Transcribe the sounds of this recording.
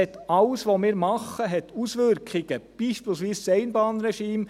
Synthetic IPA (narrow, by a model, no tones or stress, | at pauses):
ɛt̪ɑlsʋomɪːɾmɑχəɦɛt̪usʋʏɾkʰɪɡəb̥iːʃpilsʋiːssɛɪnbɑːnɾɛʃiːm